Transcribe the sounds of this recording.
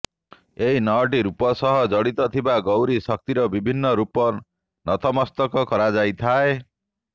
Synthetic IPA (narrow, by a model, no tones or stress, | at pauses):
eɦinɔʈ̬iɾupɔsɔɦɔd͡ʒɔɽit̪ɔt̪ʰibaɡowɾisɔk̚t̪iɾɔbibʱinːɔɾupɔ | nɔt̪ʰɔmɔst̪ɔkɔkɔɾad͡ʒajt̪ʰae